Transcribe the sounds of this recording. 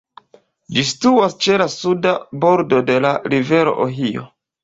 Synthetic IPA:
d͡ʒistuast͡ʃe̞lasudabo̞ɾdo̞de̞laɾive̞ɾo̞̰ʔoɦio̰

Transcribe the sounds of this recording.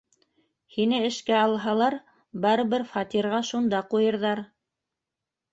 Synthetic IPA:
hinɘɘ̆ʃkæɑlˠɦɑlˠɑɾ | bɑɾɤ̆βɘɾfɑt̪iɾʁɑʃund̪ɑqujɤ̆ɾðɑɾ

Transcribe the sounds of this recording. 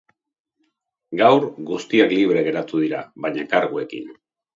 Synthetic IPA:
ɡawɾɣust̪iakliβ̞ɾe̞ɣe̞ɾat̪uð̞iɾaβaɲakaɾɣue̞kḭn

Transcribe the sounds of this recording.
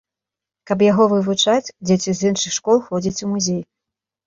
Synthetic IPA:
kɐp̬jaɣɔvɨvut͡ʂat͡sʲd͡zʲet͡sʲizɨnʂɨxʂkɔlˠxɔd͡zʲit͡sʲumuzʲej

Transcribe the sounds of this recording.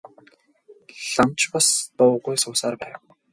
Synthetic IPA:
ɮamt͡ɕpast̪ʊwɢujsʊːsaːrpæːw

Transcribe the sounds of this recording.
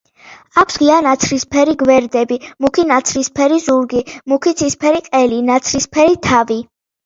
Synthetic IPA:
akʷʰsʁianat̪sʰɾispʰɛɾiɡvɛɾd̪ɛbimukʰinat̪sʰɾispʰɛɾizuɾɡimukʰit̪sʰispʰɛɾiqʼɛlinat̪sʰɾispʰɛɾit̪ʰavi

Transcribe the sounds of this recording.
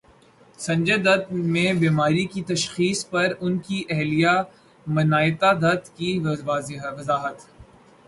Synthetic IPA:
sɐ̃ɲd͡ʒəd̪ɐd̪̚mẽbiːmaːɾikit̪ɐʃxiːspɐɾʊnkiʔɛɦlija | mɐnaːjɪt̪ad̪ɐt̪kiaːzɦʋɐzaːɦət̪

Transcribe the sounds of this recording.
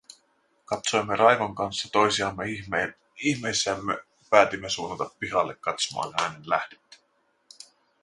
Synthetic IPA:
kɑt̪so̞jmːerʔɑjʋoŋkɑnsːɑt̪o̞jsiɑmːe | içmejsːˑæːmːe | pæːt̪imːesuːnːɑt̪ɑpːiɦɑlːekːɑt̪somɑ̰ːnhæːnenlæhdet̪ːæ̥

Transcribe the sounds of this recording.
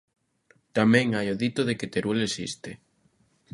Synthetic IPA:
t̪amɛ̃ŋajoðit̪oðeket̪eɾulesḭst̪e

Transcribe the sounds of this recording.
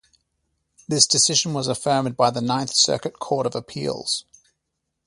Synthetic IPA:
ðɪsd̥ɪsɪʒə̃nwɒzəfɜːmd̚baɪðənãɪ̃nθsɜ̰ˑkəʔkʰɔˑɾəvəpʰḭːlˠz̥

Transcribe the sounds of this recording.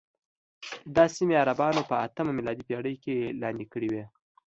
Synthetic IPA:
d̪ɑsimeaɾabɑnopəat̪əmamilɑd̪ipeɽəjkelɑnd̪ikəɽiwe

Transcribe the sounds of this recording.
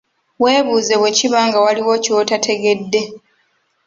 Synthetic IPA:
we̞ːβuːze̞βwe̞ciβaːŋɡawaliwo̞ciotatʰe̞ɡe̞dːe̞

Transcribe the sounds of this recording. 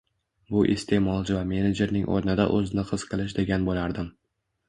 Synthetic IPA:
bʊʔest̪ʰe̞mɒlˠd͡ʒɪvame̞ned͡ʒe̞ɾnɪŋʔɒ̰ɾnɪd̪a̰ʔɵzɪnɪqʰɨz̥qʰɨlˠɪʃ̬d̪e̞ɡʲanbolaɾd̪ɪm

